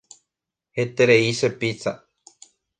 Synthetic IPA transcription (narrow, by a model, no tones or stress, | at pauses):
het̪eɾeisepit͡sa